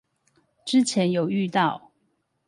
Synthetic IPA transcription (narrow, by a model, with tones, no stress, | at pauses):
ʈ͡ʂɻ̩˦˥t͡ɕʰjɛ˨˦njo˨˩ʊy˥˧t̪ɑ˥˨ʊ